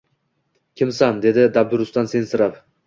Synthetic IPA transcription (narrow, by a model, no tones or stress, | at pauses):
kʲʰɪmsand̪e̞d̪ɪd̪ab̚d̪ʊɾʊst̪anse̞nsɪɾaf